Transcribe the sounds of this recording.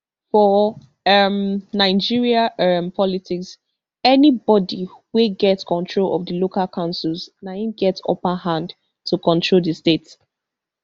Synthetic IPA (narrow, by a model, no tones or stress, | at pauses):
fɔ | ʌmnaɪd͡ʒiɹiampʰɔlitʰiks | ɛnibɔdiweɡɛtskʰɔ̃ntʰɹolɔ̰vdəlokalkʰãʊ̃nsəlznaĩɡɛtsɔ̰pahãnd | tʰukɔ̃ntʰɹoldəstets